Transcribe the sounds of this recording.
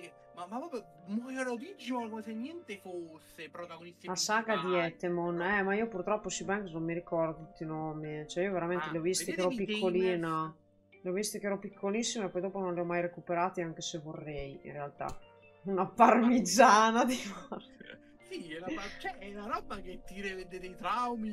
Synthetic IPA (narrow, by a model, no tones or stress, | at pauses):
ke | mamːapːɾɔːpɾjo | mojɛɾovid͡ʒːokomesenːjɛnt̪efosːepɾot̪aɡonislasaɡad̪iɛt̪ːemonɛmaiopurt̪ɾɔpːosibɛŋkesnõmːiɾikɔrd̪ot̪ut̪ːinoːmit͡ʃoɛioveɾament̪eleɔvːist̪ikeɛːɾɔpikʰːoliːna | leɔvist̪ikeɛɾɔpikʰːolisːimaepːɔjd̪oːpononleɔmːajɾekupeɾaːt̪iaŋk̟esevorːɛjḭnrealt̪a̰ | unaparmid̪zaːnad̪ifar | siɛlaat͡ʃɛɛnaɾɔbːaket̪ːiɾed̪ed̪ejt̪ɾawmi